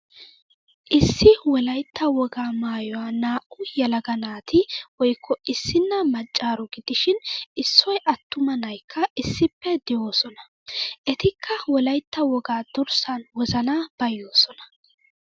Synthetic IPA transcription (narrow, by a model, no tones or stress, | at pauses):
ʔɪsːɪwɔlɐjt̪ːɐwɔɡaːmaːjɔwaːnaːʔʊjɛlɐɡɐnaːt̪ʰɪwɔjkʰːɔɪsːɪnːɐmɐt͡ʃʼːaːɾɔɡɪd̪̥ɪʃɪnɪsːɔjʔɐt̪ːʊmɐnɐjkʰːɐʔɪsːɪpːɛd̪ɪjoːsɔnɐ̥ | ʔɛt̪ɪkʰːɐwɔlɐjt̪ːɐwɔɡaːd̪̥ʊɾsɐnwɔzɐnaːb̥ɐjːo̞ːsɔnɐ̥